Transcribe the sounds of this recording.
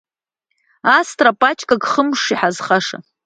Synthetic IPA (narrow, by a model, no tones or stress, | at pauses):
astʰʼrapʼat͡ʃʼkʼaɡχəmʂiħazχaʂa̰